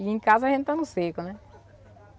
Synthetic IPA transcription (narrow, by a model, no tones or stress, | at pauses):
iẽkazɐʒẽt̪ɪt̪anʊsekʊnɛ